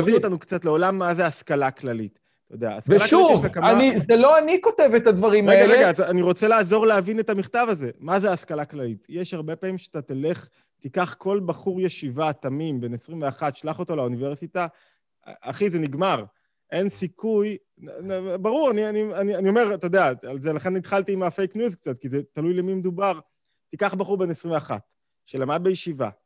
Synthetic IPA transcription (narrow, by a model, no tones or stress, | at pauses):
viotanukt͡sat̪leo̞lamːazeaskalaklalit | ttajod̪ea̰ːskvelakʃauitakamanizeloanikotevetad̪vaʁimʁeeɡaʁeɡaazaniʁot͡se̞laːzo̞ʁleavine̞t̪amiχtavaze̞mazeːskalaklalitjeʃhaʁbe̞paːmimʃeat̪at̪ile̞χ | tikaχkʰo̞lbaχuʁjeʃivat̪amimbe̞nesʁimveaχatʃlaχo̞to̞launiveʁsita | aχizeniɡmaʁ | ʔe̞nsikʰuj | baʁuʁanianianianio̞me̞ʁt̪od̪eaalzelaχe̞nːit̪χalt̪iːmafe̞jknjuzk̚t͡sat̪̚kizet̪alujlemimed̪ubaʁ | t̪ikaχbaχuʁbe̞nesʁimveaχa̰t | ʃelamad̚bejeʃiva̰